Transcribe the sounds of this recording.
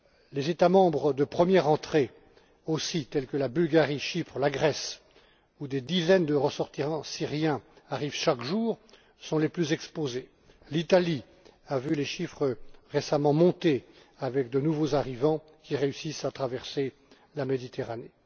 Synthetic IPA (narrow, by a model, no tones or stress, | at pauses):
lezet̪amɑ̃bʁəd̪əpχəmjɛʁɑ̃t̪χe | osit̪ɛlkəlabylɡaʁiʃipχlaɡʁɛs | ud̪ed̪izɛnd̪əʁəsɔʁt̪isɑ̃siʁjɛ̃aʁivʃakʒuːʁ | sɔ̃leplyzɛkspoze | lit̪ali | avyleʃifχəʁesamɑ̃mɔ̃t̪e | avɛk̚d̪ənuvozaʁivɑ̃ | kʲiʁeysisat̪χavɛʁse | lamed̪it̪eʁane